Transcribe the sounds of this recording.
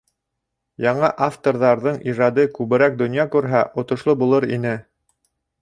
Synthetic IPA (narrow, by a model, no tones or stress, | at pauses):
jɑɴɑʔaft̪oɾðɑɾðɤɴʔiʒɑd̪ɤkʉβɘ̆ɾæk̚d̪ŏnjɑkʉɾɦæʔŏt̪ŏʃlˠobulˠɤɾḭnɘ